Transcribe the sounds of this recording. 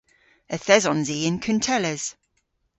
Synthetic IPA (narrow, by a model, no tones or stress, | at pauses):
əθɛzɔ̃nziːɪ̃nkʰəntʰɛləz̥